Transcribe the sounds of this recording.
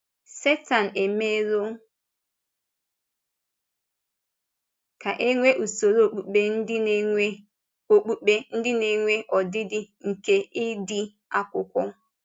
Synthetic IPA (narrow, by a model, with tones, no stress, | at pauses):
se˦ta˨n̩˨e˨me˦ɾo˦ | ka˨ʔe˦ŋʷe˦ʔu˨so˨ɾo˦˨k͡pu˨k͡pe˦n̩˦ɪ˦ | o˨k͡pu˦k͡pe˦n̩˦dɪ˦ne˨ŋʷe˦ʔɔ˨dɪ˦dɪ˦ŋ̩˨ke˦ʔi˦dɪ˦ | a˦kʷʊ˨kʷɔ˦